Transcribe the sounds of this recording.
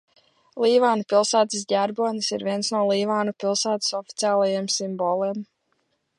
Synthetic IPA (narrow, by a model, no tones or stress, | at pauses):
lˠiːvaːnupilˠsaːt̪is̬ɟʲaɾbɔɔnisḭɾvʲiɛnsnuɔlˠiːvaːnupilˠsaːt̪i̥sɔfi̥t̪ʲiaːlˠajemsimbɔlˠeːm